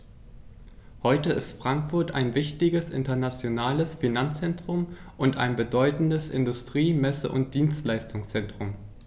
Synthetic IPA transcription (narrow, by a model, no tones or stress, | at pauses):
hɔʏtəɪstfʁ̥aŋkfʊɐta̰ɪnvɪçtɪɡəsʔɪ̰ntɐnat͡sjonaːləsfinant͡st͡sɛntʁ̥ʊm | ʔʊnta̰ɪnbədɔʏtn̩dəsʔɪ̰ndʊstʁ̥iːmɛsə̰ʔʊnt̚d̥iːnstlaɪstʊŋst͡sɛntʁ̥ʊm